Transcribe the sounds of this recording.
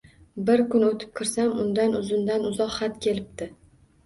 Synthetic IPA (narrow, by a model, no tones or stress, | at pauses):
bɪɾkʊnot̪ʰɪ̥p̚kʰɪɾsamʊnd̪anʊzʊnd̪anʊzɒqχat̪kʲʰe̞lɪp̚t̪ɪ